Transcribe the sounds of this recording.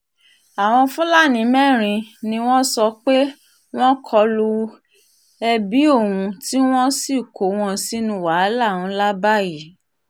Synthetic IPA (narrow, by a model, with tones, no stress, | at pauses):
a˨w̃ɔ̃˧fũ˦la˦˨nĩ˨˦mɛ̃˦˨ɾ̃ĩ˧nĩ˧w̃ɔ̃˦sɔ˧k͡pe˦ | w̃ɔ̃˦kʰɔ˧lu˧ | ɛ˧bi˨˦o˦˨wũ˧ti˦w̃ɔ̃˦si˦˨ko˨˦w̃ɔ̃˦si˦nũ˧˦wa˨˦la˦˨wũ˧˦la˦ba˦˨ji˨˦